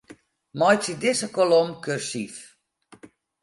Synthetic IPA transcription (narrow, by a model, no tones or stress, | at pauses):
mɔjsidɪsəkolomkørsif